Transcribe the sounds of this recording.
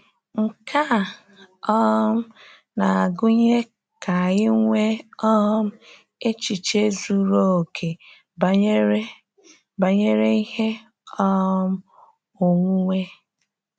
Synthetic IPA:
ŋ̩˨kʰa˦˨ | ɔ˦m̩˦ | na˨a˨ɡʊ˦ɲe˦ | ka˨ɣɪ˦ŋʷe˦ɔ˦m̩˦ | e˦t͡ʃi˨t͡ʃe˦zu˦ɾo˦˨o˨kʰe˨˦ | ba˨ɲe˦ɾe˦i˦he˦ | ɔ˦m̩˦ | o˨ŋʷu˦ŋʷe˦

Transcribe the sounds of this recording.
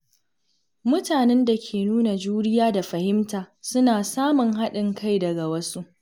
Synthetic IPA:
mʊ˦taː˨nɛ˦nda˨kʲʰeː˨nuː˦na˨d͡ʒuː˦ɽɪ˦jaː˦da˨ɸɐ˨hɪ˦mtaː˨sʊ˦naː˨saː˦mʊ˨ŋɦa˦ɗɪ˨ŋkʰa˦˨jdɐ˨ɡa˨wɐ˦su˦ʔ

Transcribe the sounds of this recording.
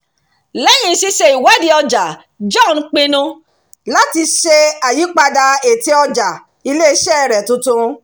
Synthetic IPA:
lɛ˦jĩ˧˦si˦ʃe˧i˨wa˨˦di˧ɔ˧d͡ʒa˨ | d͡ʒɔ̃˦˨n˧˦k͡pĩ˧nũ˧ | la˦ti˧ʃe˧a˨ji˨˦k͡pa˧da˧e˨ti˧˦ɔ˧d͡ʒa˨ | i˧le˦˧ʃɛ˦ɛ˦˨ɾɛ˨tũ˧tũ˧

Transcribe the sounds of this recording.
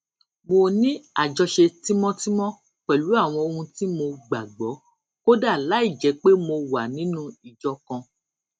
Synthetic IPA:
mo˨nĩ˦a˦˨d͡ʒɔ˧ʃe˧ti˦mɔ̃˦ti˦mɔ̃˦ | k͡pɛ˨lu˨˦a˦˨w̃ɔ̃˧o˧hũ˧ti˦mo˧ɡ͡ba˨ɡ͡bɔ˨˦ | ko˦da˦˨la˨˦i˦˨d͡ʒɛ˨˦k͡pe˦mo˧wa˨nĩ˨˦nũ˦i˦˨d͡ʒɔ˧kɔ̃˧

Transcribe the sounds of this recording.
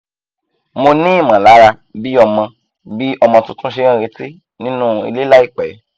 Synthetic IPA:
mo˧nĩ˦i˦˨mã˨la˨˦ɾa˧ | bi˦ɔ˧mã˧ | bi˦ɔ˧mɔ̃˧tũ˦tũ˦ʃe˧ɾ̃ã˦˧ɾe˧ti˦ | nĩ˦nũ˦˧ḭ˧le˦la˦i˦˨k͡pɛ˨˦

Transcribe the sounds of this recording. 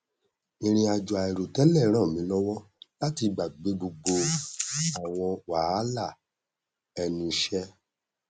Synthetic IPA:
i˧ɾ̃ĩ˧a˧d͡ʒɔ˨a˨ɛ˨ɾo˨tɛ˦lɛ˦˨˦ɾ̃ã˦˨mĩ˨˦lɔ˦wɔ˦la˦ti˧ɡ͡ba˨ɡ͡be˨˦bo˧ɡ͡bo˧ | a˨w̃ɔ̃˧wa˨a˦la˦˨ | ɛ˧nĩ˧ʃɛ˦

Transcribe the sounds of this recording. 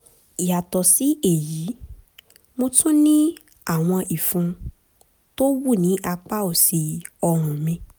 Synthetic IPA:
i˨ja˨tɔ˨si˨˦e˦˨ji˨˦ | mo˧tũ˦nĩ˦ | a˦˨w̃ɔ̃˧ʔi˨fũ˧ | to˦wu˦˨nĩ˨˦ʔa˧k͡pa˦o˦˨si˨˧ɔ˧ɾ̃ũ˨mĩ˧

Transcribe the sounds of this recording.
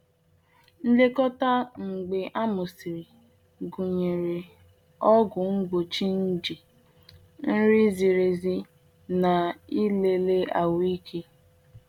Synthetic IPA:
n̩˦de˦kɔ˦ta˦ŋ͡m̩˨ɡ͡be˨ʔa˦mʊ˨si˨ɾi˨ | ɡu˨ɲe˨ɾe˨ | ɔ˦ɡʊ˨ŋ͡m̩˦ɡ͡bo˨t͡ʃi˦n̩˦d͡ʒi˨ | n̩˦ɾi˦zi˨ɾe˨zi˦ | na˨i˦le˦le˦a˨wi˦kʰe˦

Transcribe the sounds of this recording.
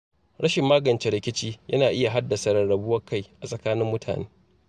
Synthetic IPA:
ɽɐ˦ʃɪ˨mːaː˦ɡɐ˨nt͡ʃe˨ɾɪ˨kʲɪ˦t͡ʃiː˦jɐ˦naː˨ʔɪ˦ja˨ɦa˦dːɐ˨sɐ˨ɾɐ˨ɽɐ˨bʊ˦wɐ˦kʰa˦˨jʔa˨sʼɐ˨kaː˦nɪ˦mːʊ˦tʰa̰ː˨nḛː˦

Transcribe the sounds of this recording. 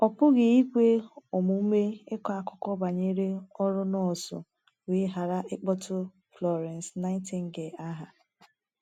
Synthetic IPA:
ɔ˨pʊ˦ɡɪ˨i˦kʷe˦ɔ˨mʊ˨m̩˦me˦ɪ˦kɔ˨a˨kʊ˦kɔ˦ba˨ɲe˦ɾe˦ɔ˦ɾʊ˦nɔ˦˨sʊ̰˨ | we˨˦ɦa˨ɾa˦ʔɪ˦k͡pɔ˦tʊ˦ | flɔ˨ɾɛ˨n˨sna˦ɪ˦tɪ˨ŋ̩˦ɡe˨a˦ɦa˨

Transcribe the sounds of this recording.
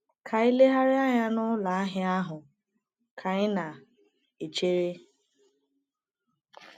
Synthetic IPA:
kʰa˨ɪ˦le˦ɦa˦ɾɪ˦a˦ɲa˦nʊ˦la˨a˦ɦɪ˦a˦ɦʊ˨ | kʰa˨ɣɪ˦na˨ | e˨t͡ʃe˦ɾe˦

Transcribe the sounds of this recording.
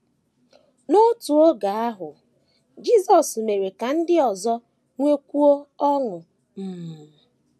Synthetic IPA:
no˦tu˨o˦ɡa˨a˦ɦʊ˨ | d͡ʒi˦zɔ˨sme˨ɾe˨ka˨n̩˦dɪ˦ɔ˨zɔ˦ | ŋʷe˦kʷu˦o˦ɔ˦ŋʊ˨ | m̩˨m̩˨

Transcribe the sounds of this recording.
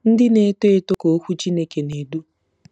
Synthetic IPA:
n̩˦dɪ˦ne˨˦to˦e˦to˦ko˨o˦kʷu˦t͡ʃi˦ne˦ke˨ne˨du˦

